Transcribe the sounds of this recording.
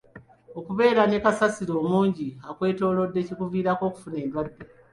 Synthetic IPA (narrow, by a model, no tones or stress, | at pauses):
o̞kuβe̞ːɾanekasasiɾo̞ːmuːɲɟiakwe̞ːto̞ːlo̞dːe̞cikuviːɾako̞ːku̥fune̞ːndwadːe̞